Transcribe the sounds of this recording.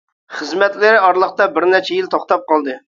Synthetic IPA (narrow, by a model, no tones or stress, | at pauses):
χəzmɛt̪lɪɾɪɑɾlˠəχt̪ɑbɪɾnɛt͡ʃʰɛjilt̪ʰoχt̪ɑp̚qɑlˠd̪ɨ